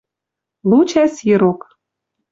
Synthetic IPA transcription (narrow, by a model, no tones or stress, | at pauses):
lut͡ɕæsjĭɾok